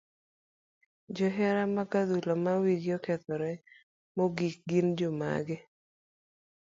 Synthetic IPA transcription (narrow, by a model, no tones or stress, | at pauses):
d͡ʒɔɦɛɾamakad̪ulɔmawiɡjɔkɛt̪ɔɾɛ | moɡik̚ɡind͡ʒoma̰ɡɪ